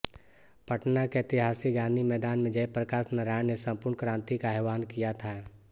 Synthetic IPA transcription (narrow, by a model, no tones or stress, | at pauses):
pɐʈnakeɪt̪ɪɦaːsiɡãːnd̪imɛːd̪aːnmẽd͡ʒɐepɾɐkaːsnɐɾaːɽnesɐ̃mpʊɾɳkɾãːnt̪ikaɛːʋaːnkijat̪ʰaː